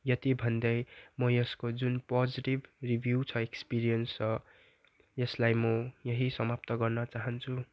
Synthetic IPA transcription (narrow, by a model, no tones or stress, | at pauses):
jʌt̪ibʱʌnd̪ʌjmʌjʌskod͡zunpʌd͡ziʈibribʱjut͡sʰʌekspiɾijʌnst͡sʰʌ | jʌslajmʌjʌɦisʌmap̚t̪ʌɡʌrnʌt͡saɦʌnt͡sʰu